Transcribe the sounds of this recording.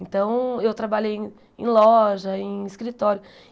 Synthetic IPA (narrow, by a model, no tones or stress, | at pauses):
nt̪ɐ̃w̃ewt̪ɾabaʎejẽ | ḛ̃lɔʒɐẽj̃iskɾit̪ɔɾjʊ